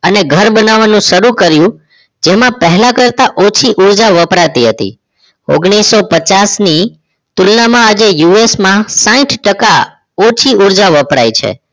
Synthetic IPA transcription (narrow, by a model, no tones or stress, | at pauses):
əneɡʱəɾbənaʋanũʃəɾukəɾjũ | d͡ʒemãpəɦɛlãkəɾt̪aʔot͡ʃʰiʔuɾd͡ʒaʋəpɾat̪iɦət̪ḭ | o̰ɡɽ̃isːopət͡ʃasni | t̪ulnamãːd͡ʒejuesmãsãĩʈʰʈəka | ɔt͡ʃʰiuɾd͡ʒaʋəpɾa̰jt͡ʃʰḛ